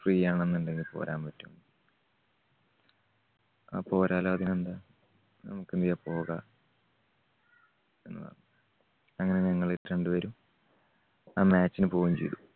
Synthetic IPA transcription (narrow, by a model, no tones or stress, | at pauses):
friːjaːɳenːuɳɖe̞ŋɡilpo̰ːɾʔaːmpɐtːumɳɖɨ | a̰ːpo̞ːɾaːlaːɐd̪inend̪aː | nɐ̰mukːind̪ijapo̞ːɣɐ | e̞nːɨʋɐ̰rnːu | ɐŋːɐne̞ɲɐŋːɐɭːɨɾe̞ɳɖɨʋɐɾum | aːmaːt͡ɕːinɨpo̞ːjumt͡ɕe̞jt̪u